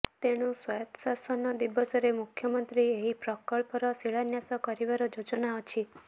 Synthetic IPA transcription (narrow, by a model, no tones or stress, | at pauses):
t̪eɽ̃ũswajt̪sasɔnɔd̪ibːɔsɔɾemukʰjəmənt̪ɾieɦipɾɔkɔɭpɔɾɔsiɭanjasɔkɔɾiʋaɾɔd͡ʒod͡ʒɔnaɔt͡ʃʰi